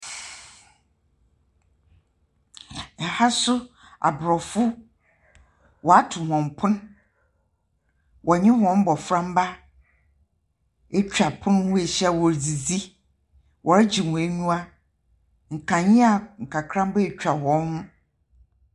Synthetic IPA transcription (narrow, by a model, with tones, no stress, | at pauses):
ɛ˨ha˦sʊ˦ | a̰˨bɾɔ˨fʊ˦ | wʔɔ˨a˦tʰʊ˨hɔ̃˨mpʰʊ̃˦n˦ | wʔɔ˨ɲɪ̃˦hɔ̃˨˦m˦bɔ˨fɾã˦m˦ba˦ | e˦t͡ɕᶣa˨pʰʊ̃˦n˦wũ˦e˨ɕi˦a˨wɔ˨ɾd͡zi˨zi˦ | wʔɔ˨ɾɪ˦d͡ʑi˨mũ˨e˦nũ˦a˦ | ŋ̩˨kʰã˨ɲĩ˦a˨ŋ̩˨kʰa˨kʰɾã˦m˦bɛ˦e˨t͡ɕᶣa˨hɔ̃˨˦n˦hʊ̃˦